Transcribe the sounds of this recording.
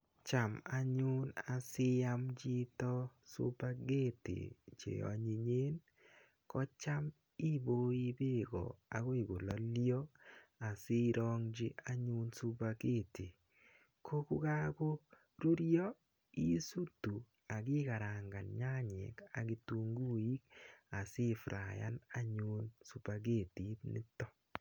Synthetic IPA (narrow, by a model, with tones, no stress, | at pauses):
t͡ʃa˨ma˦ɲu˦na˨sɪ˦ja˦md͡ʒi˦tɔ˦sṵ˦ba˦ɡe˦tḛ˨t͡ʃḛ˨ɔ̰˨ɲi˨ɲe˦n | kɔ˦t͡ʃa˦m | i˦bo˦i˦be˦ɡɔ̰˨a˨ɣo˦i˨ɡo˨lɔ˨ljɔ˦a˨sɪ˦ɾɔ˦ŋd͡ʒi˦a˦ɲu˦nsu˦ba˧ke˦˨ti˨ | kʰo˦ku˦ka˦ko˦ | ɾu˦ɾjɔ˦ | i˦su˦tu˨ | a˨ki˦ka˨ɾa˨ŋɡa˨nɲa˦ɲḛ˨ka̰˨ki˨tu˦ŋɡu˦i˦k̚a˨si˦fɾa̰˨ja̰˦na˦ɲu˧nsu˨ba˨ɡe˦˨ti˦tnḭ˦tːɔ˦